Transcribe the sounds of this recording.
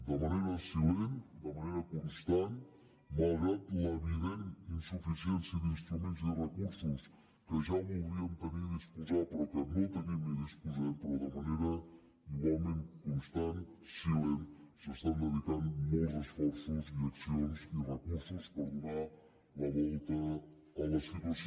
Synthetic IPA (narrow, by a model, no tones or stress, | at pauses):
d̪əmɐneɾəsilend̪əmɐneɾəkunst̪an | mɐlˠɣɾat̪ləniβɛlinsufisiensiðinst̪ɾumẽnzd̪ərəkuɾsus | kəʒamuɾiəmt̪əmeispuzapɾɔkəmolˠt̪ənimiðispuzanpɾɔd̪əmɐneɾə | imomẽnkunst̪ansilenzəst̪anːɐβit̪anmolzəsfɔɾsuziɐksionsirekuɾsuspəɾd̪una | lɐmolit̪ə | ɐlɐsit̪as